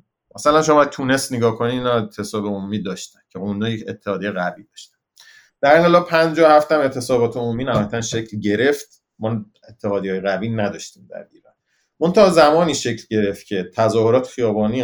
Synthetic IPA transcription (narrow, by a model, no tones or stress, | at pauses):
mʔæsælænʃomɒt̪ʰuːne̞st̪neɡɒːkʰoniiːnɒet̪ʰe̞sɒːbeomumiːd̪ɒːʃt̪æncʰeond̪jeet̪ʰːehɒːd̪iejeɣæviːd̪ɒːʃt̪æ̥n | d̪̥æɾinŋelɒːlpʰænd͡ʒɒːhæft̪æmet̪ʰesɒːbɒːt̪ʰeomuːmiːnæhɒjæt̪ʰænʃecʰlɟe̞ɾe̞ft̪ | mɒː | et̪ʰːehɒːd̪iɒːjeɣæviːnæd̪ɒːʃt̪iːmd̪æ̰ɾiːɾɒ̰ːn | mont̪ʰæɒːzæmɒːniːʃe̞cʰlɟe̞ɾe̞ft̪̚cʲʰe̞t̪ʰæzɒːhoɾɒːt̪ʰxijɒːbɒːni